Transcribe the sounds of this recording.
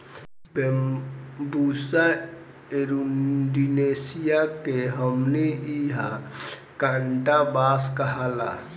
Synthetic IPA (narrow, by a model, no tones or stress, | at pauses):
be | busa | eɾuɖineːsijakeɦəmneiɦa | kãːɳʈabaːskəɦala̰ː